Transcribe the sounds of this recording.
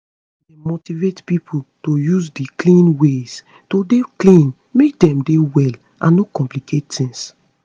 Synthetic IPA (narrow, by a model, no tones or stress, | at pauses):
demotivetpipʰutojuzdiklĩnwes | todeklĩn | mek̚dɛ̃mdewɛl | ʔãnːokɔ̃mplikʰet̚tĩŋs